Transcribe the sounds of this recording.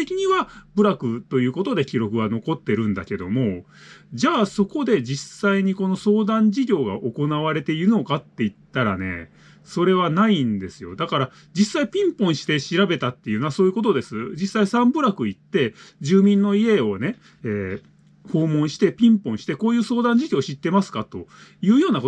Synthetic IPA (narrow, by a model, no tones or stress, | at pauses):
t̪ekʲiɲ̟iβabɯ̟ɾakɯ̟t̪o̞jɯ̟ːko̞t̪o̞d̪e̞kʲiɾo̞kɯ̟ɡano̞ko̞t̪ːe̞ɾɯ̟̃nd̪a̰ke̞d̪o̞mo̞ | d͡ʑaːso̞ko̞d̪e̞d͡ʑisaiɲ̟iko̞no̞so̞ːd̪ãɲ̟d͡ʑiɡʲo̞ːɡa̰ʔo̞ko̞naβ̞aɾe̞t̪e̞iɾɯ̟no̞kat̪ːe̞it̪ːaɾa̰ne̞̰ | so̞ɾe̞β̞anaind̪e̞sɨjo̞̰d̪akaɾa | d͡ʑisːaipʲĩmpõ̞ɰ̃ɕi̥t̪e̞ɕiɾabe̞t̪at̪ːe̞jɯ̟noaso̞ːji̟ko̞t̪o̞d̪e̞sɨd͡ʑisːaisãmbɯ̟ɾakɯ̟it̪ːe̞d͡ʑɨːmʲĩnːo̞ie̞o̞ne̞ | eː | ho̞ːmõ̞ɰ̃ɕi̥t̪e̞pʲĩmpõ̞ɰ̃ɕi̥t̪e̞ko̞ːjɯ̟ːso̞ːd̪ãɲ̟d͡ʑiɡʲo̞ːɕit̪ːe̞masɨ̥kat̪o̞jɯ̟ːjo̞ːnako